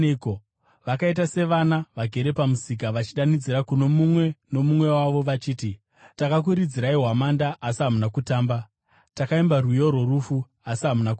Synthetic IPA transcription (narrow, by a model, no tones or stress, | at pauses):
ko | ʋakait̬ase̞ʋanaʋaɡʱe̞ɾe̞pamusik̬aʋat͡ʃiɗanid͡ziɾakuno̞mumwe̞no̞mumwe̞waʋo̞ʋat͡ʃiːti | takak̬uɾid͡ziɾaiɦwamandaʔːsiɦamunakutaːmba | takaimbarwujo̞ɾo̞rufu | asiɦamunaku